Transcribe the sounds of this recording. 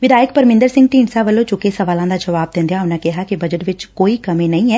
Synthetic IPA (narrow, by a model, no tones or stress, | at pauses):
ʋɪd̪ʱaːjəkpɐɾmɪ̃nd̪əɾsɪ̃ŋɡ̚ʈiːɳɖsaʋəlõt͡ʃʊkesɐʋaːlãd̪ad͡ʒɐʋaːb̚d̪ẽːnd̪ejaʊnakɛɦakibɐd͡ʒəʈʋɪt͡ʃkoːikɐmẽnɐɦĩɦɛː